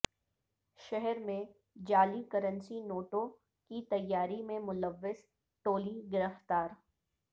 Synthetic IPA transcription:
ʃɛɦɛɾmẽ | d͡ʒaːlikɐɾə̃nsinoːʈõ | kit̪ɐjːaːɾimẽmʊləʋːɪz | ʈoːliɡɪɾəft̪aːɾ

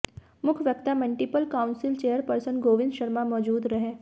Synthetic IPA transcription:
mʊkʰʋjɐk̚t̪aməɳʈipəlkaːʊ̃nsɪlt͡ʃeːjəɾpəɾsənɡoːʋɪ̃nd̪ʃɐɾmamɔːd͡ʒuːd̪ɾɐɦeː

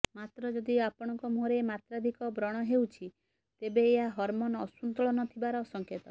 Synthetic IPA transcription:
mat̪ɾɔd͡ʒɔd̪iapɔɽ̃ɔŋkɔmuɦɾemat̪ɾad̪ʱikɔbɾɔɽ̃ɔɦewt͡ʃʰi | t̪ebeːɦaɦɔɾmonɔsunt̪ɔɭɔnɔt̪ʰibaɾɔsɔŋket̪ɔ

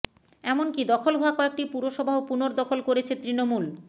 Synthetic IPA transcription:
ɛmonkid̪ɔkʰolɦoakɔek̚ʈipuɾoʃɔbʱaɦopunoɾd̪ɔkʰolkoɾet͡ɕʰet̪ɾinomul

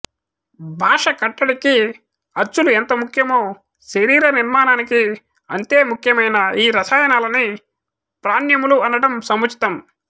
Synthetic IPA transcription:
bʱaːʂɐkɐʈːɐɽiki | ɐɾt͡ʃːuluent̪ɐmukʰjɐmoː | ʃeɾiːɾɐniɾmaːnaːniki | ɐnt̪eːmukʰjɐmɐjnɐiːɾɐsaːjɐnaːlɐni | pɾaːnjɐmuluɐnɐɽɐmsɐmut͡ʃi̥t̪ɐm

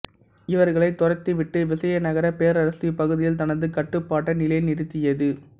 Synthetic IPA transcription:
ɪʋɐɾɣɐɭɐɪt̪ːʊrɐt̪ːɯʋɪʈːɯʋɪsɐjɐnɐɣɐɾɐpeːɾɐɾɐsipɐɣɯðɪjɪlt̪ɐnɐnd̪ɯkɐʈːɯpːaːʈːɐnɪlɐjɪlnɪɾɯt̪ːɪjɐðɯ

